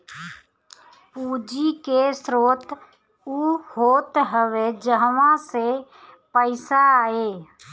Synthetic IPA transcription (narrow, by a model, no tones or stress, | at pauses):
puːd͡ʒikesɾoːt̪ | uhoːt̪ɦəʋed͡ʒəɦʋãse | pəɪsaeː